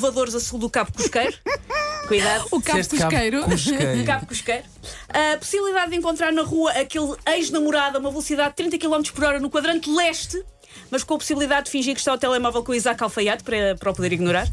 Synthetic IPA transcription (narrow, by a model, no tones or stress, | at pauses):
vɐðoɾzɐsulˠd̪ukaβukuuʃkɐjɾukujðaðukaeʃt̪kʃkɐjɾukaβkuʃkɐjɾuɐpu̥siβlˠiðaðd̪ẽŋkõnt̪ɾaɾnɐʁuɐʔɐkelˠɐjʒnɐmuɾaðɐumɐvlˠusiðaðd̪t̪ːɾĩnt̪ɐkilˠɔmt̪ɾu̥ʃpuɾɔɾɐnukwɐðɾɐ̃nt̪lˠɛʃt̪ɨ | mɐʃkõpu̥siβlˠiðaðd̪ɨfĩʒiɾkʃt̪aut̪ɛlˠɛmɔvɛlˠkõizakalˠfɐjat̪pɐɾɐpɾɔpuðeɾiɣnuɾaɾ